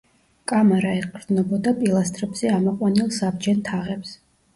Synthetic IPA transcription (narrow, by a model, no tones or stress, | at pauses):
kʼamaɾaɛqʼɾd̪nɔbɔd̪apʼilˠast̪ʼɾɛbz̥ɛamɔqʼwanilˠsabd͡ʒɛnt̪ʰaʁɛps